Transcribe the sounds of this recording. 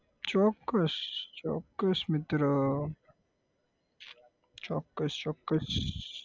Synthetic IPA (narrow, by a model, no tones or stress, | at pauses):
t͡ʃɔːkːɐst͡ʃo̰ːkːɐsmɪt̪ɾə | t͡ʃoːkːɐst͡ʃɔːkːɐs